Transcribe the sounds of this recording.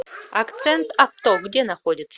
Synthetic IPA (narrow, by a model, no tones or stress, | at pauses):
akʰt͡sʰentʰaftoɡdʲenaχodʲɪtt͡sʰː